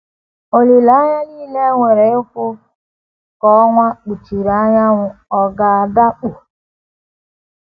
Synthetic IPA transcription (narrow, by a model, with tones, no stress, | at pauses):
o˨li˨la˨˦ɲa˦liː˦le˦ŋʷe˨ɾe˨ʊ˦kʷʊ˦ | kɔ˦ŋʷa˦k͡pu˨t͡ʃi˨ɾa˨˦ɲa˦ŋʷʊ˨ɔ˦ɡa˨a˨da˦k͡pu˨